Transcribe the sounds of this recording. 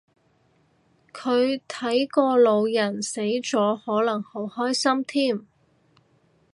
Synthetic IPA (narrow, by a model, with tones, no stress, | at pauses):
kʰɵ˨˧ɥt̪ʰɐ˨˥jkɔː˧lo˨˧wjɐ˨˩nse˨˥jt͡sɔː˨˥hɔː˨˥lɐ˨˩ŋho˨˥whɔː˥jsɐ˥mt̪ʰiː˥˩m